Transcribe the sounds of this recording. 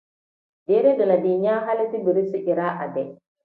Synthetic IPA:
dɛ˦ɾɛ˦dɔ˨na˨di˨ɲaː˦ɦa˦lɛ˦ti˦bi˨ɾi˦si˦ʔi˨ɾaː˦ʔa̰˨dɛ˨

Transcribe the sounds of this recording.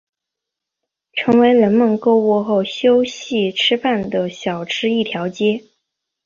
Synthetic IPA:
ʈ͡ʂʰɤ˧˥ŋwe˧˥ɪlə˧˥nmə˥˧ŋko˥ʊwɔ˥˧xo˥˩ʊɕjo˥ʊɕi˥˩ʈ͡ʂʰɻ̩˥fa˥˩nd̪ə˩ɕjɑ˨˩ʊʈ͡ʂʰɻ̩˥i˥˩t̪ʰjɑ˧˥ʊt͡ɕjɛ˥

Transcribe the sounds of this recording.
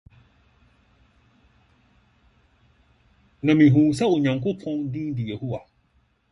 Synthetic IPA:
nã˨mĩ˨ɦũː˨s̬a˦o˨ɲã˨ŋ˨kʊ˦pʰɔ̃˦ŋ˦dĩ˦dɪ˨je˨ho˦wa˨

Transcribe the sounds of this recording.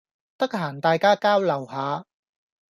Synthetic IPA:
t̪ɐ˥k̚haː˨˩nt̪aː˨jkaː˥kaː˥wlɐ˨˩whaː˨˧

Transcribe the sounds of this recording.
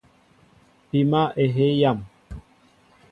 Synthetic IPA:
pi˨ma˦ʔe˨ɦe˦ja˦˨m

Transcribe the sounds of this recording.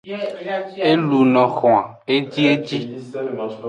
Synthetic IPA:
e˦lu˨nɔ̃˨xɔ̃˨a˨ | e˦d͡ʒi˦e˦d͡ʒi˦

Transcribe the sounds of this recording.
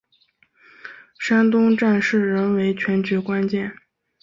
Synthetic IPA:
ʂa˥nt̪ʊ˥ŋʈ͡ʂa˥˧nʂɻ̩˥˩ɻə˧˥nwe˧˥ɪt͡ɕʰɥɛ˧˥nt͡ɕɛ˧˥kwa˥nt͡ɕjɛ˥˩n

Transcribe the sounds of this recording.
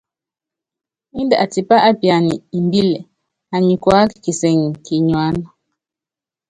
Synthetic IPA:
i˦ndə˨ʔa˨ti˨pa˦ʔa˦pja˨ni˨i˨mbi˦lɛ˨ | a˨ɲi˨kwa˦ki̥˨ki˨sɛ˨ŋ˨ki˨ɲwa˦na˨˦

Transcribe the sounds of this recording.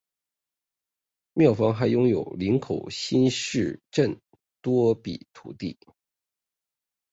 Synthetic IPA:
mjɑ˥˩ʊfɑ˥ŋxa˧˥ɪjʊ˥ŋjo˨˩ʊli˧˥nkʰo˨˩ʊɕi˥nʂɻ̩˥˩ʈ͡ʂə˥˩n | t̪wɔ˥pḭ˨˩t̪ʰṵ˨˩t̪ḭ˥˩

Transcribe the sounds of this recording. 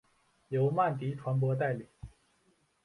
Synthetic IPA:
jo˧˥ʊma˥˩nt̪i˧˥ʈ͡ʂʰwa˧˥np̬wɔ˧˥t̪a˥˩ɪli˨˩˦

